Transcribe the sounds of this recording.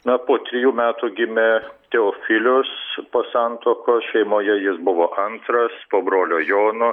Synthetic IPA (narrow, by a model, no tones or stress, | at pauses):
nɐpoːt̪ʲɾʲɪjuːmʲæːt̪uːɡʲɪmʲɛt̪ʲɛoːfʲɪlʲʊspoːsɑːnt̪oːkoːsʃʲɛɪmoːjɛjɪsbʊʋoːʔɐnt̪ɾɐspoːbɾoːlʲoːjoːnʊ